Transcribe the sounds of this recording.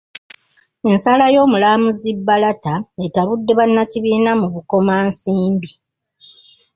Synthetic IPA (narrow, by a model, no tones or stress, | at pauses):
e̞nsalajo̞ːmulaːmuzibːalataetaβudːe̞βanːaciβiːnamuβuko̞maːnsiːmbi